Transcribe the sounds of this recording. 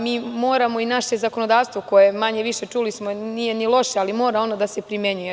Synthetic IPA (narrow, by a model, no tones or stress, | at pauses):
miːmo̞ːɾamo̞inaʃe̞zako̞no̞d̪aːʋst̪ʋoko̞jemaɲeʋiʃe̞t͡ʂulismonije̞nilˠo̞ʃealimo̞ːɾao̞nod̪asepɾimeɲuje